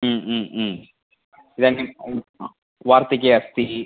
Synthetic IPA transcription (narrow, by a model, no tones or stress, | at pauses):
id̪ani | ʋaːɾt̪ik̬eɐst̪i